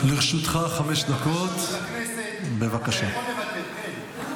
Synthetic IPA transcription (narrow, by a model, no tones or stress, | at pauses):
liʁʃut̪χaχameʃd̪akot̪ | be̞vakaʃa